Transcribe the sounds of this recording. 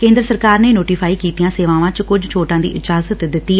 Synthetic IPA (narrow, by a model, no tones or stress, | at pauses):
kẽːnd̪ɾəsəɾkaːɾneːnoːʈiːfʰaːiːkiːt̪ijãːseːʋãːʋãːt͡ʃkʊd͡ʒt͡ʃʰoːʈãːd̪ḭːʔɪd͡ʒaːzət̪d̪ɪt̪ːiː